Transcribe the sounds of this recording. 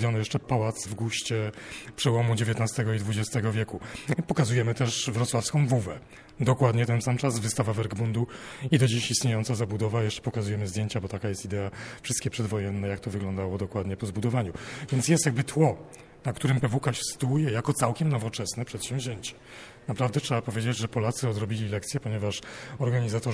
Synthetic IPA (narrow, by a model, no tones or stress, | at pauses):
vjɔnɔjɛʂt͡ʂɛpawat̪svɡuɕt͡ɕɛpʂɛwɔmud͡ʑevʲjeɛt̪nast̪ɛɡɔid̪vud͡ʑɛst̪ɛɡɔvʲjɛkupɔkazujɛmɘt̪ɛʂvɾɔt̪swafskɔ̃w̃vuvɛ | d̪ɔkwad̪ɲɛt̪ɛnsamt͡ʂazvɘst̪avavɛɾɡbund̪uid̪ɔd͡ʑiɕist̪ɲejɔnsazabud̪ɔvajɛʂt͡ʂɛ̥pɔkazujɛmɘzd̪jeɲt͡ɕabɔt̪akajɛst̪id̪ɛafʂɨst̪kʲɛpʂɛd̪vɔjɛnːɛjak̚t̪ɔvɘɡlɔnd̪awɔd̪ɔkwad̪ɲɛpɔzbud̪ɔvaɲuvʲjɛnt̪sjɛst̪jaɡ̚bɘt̪wɔ | nakt̪uɾɘmpɛvukaɕst̪uujɛjakɔt̪sawkʲɛmnɔvɔt͡ʂɛsnɛpʂɛt̪ɕɛmvʑeɲt͡ɕɛ̥ | napɾavd̪ɛtʂɛbapɔvʲjed͡ʑed͡ʑʐɛpɔlat̪sɘɔd̪ɾɔbʲilʲilɛk̚t̪sjɛpɔɲɛvaʂɔɾɡaɲizat̪ɔ